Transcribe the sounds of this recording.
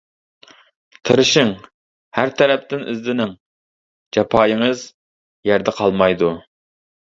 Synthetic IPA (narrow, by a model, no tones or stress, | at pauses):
t̪ʰɨɾɨʃɪŋ | hæɾt̪ʰɛɾɛp̚t̪ɪnḭzd̪ɪnɪŋ | d͡ʒɑpʰɑːjɪŋəz | jæɾd̪ɛqʰɑlˠmɑjd̪u